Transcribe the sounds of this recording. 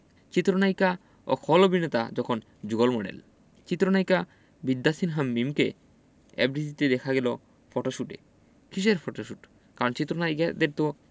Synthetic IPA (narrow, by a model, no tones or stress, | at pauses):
t͡ɕit̪ːɾonajka | o̰kʰɔlobʱinet̪a̰d͡ʑɔkʰon | d͡ʑuɡolmoɖḛl | t͡ɕit̪ːɾonajka | bid̪ːasinɦamːimke | ɛbɖid̪it̪ed̪ɛkʰaɡɛlo | fɔʈoʃuʈḛ | kʰiʃ̬eɾfɔʈoʃuʈ | kaɾont͡ɕit̪ːɾonajkad̪eɾt̪o